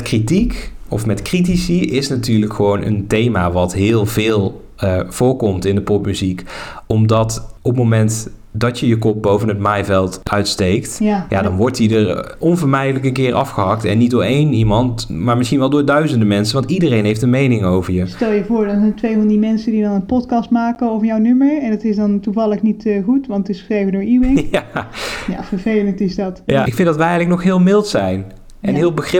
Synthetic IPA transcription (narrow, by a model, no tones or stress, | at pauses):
kritikɔ̰fmɛtkrit̬isiɪsnatyːɹləkχəʋownə̰ntejmaʋɑtɦɪːlˠvɪːlˠ | v̥ʊːɹkɔmtɪndəpɔpmyzikɔmdɑtɔpmomɛnt | dɑtjəjəkɔp̚bowvənɦətmajvɛlˠtʔœɥtstejktja̰ːdɑnʋɔɹtjədəɹ | ɔnvəɹmɛjdələkənkɪːɹʔɑfχəɦɑktɛ̰nːit̚dʊːɹejnimɑntmaːɹmɪsχinʋɛlˠdʊːɹdœɥzəndəmɛnsənʋɑntidərejnɦejftdənmejnɪŋowvəɹjəstɛlˠjəvʊːɹdɑnzɛntʋejvɑndimɛnsədidɑnənpɔtkɑstmaːkəowvəɹjɔwnøməɹɛndɑtɪsdɑntuvɑləχnitːχutʋɑntɪsxə̥srejvəndʊːɹiwɪjaja̰ːvəɹvejləntɪsdɑtjaɪkfɪndɑtʋɛɛɣləknɔxɦɪːlˠmɪlˠtsɛjn | ɛnɦɪːlˠbəxrɪ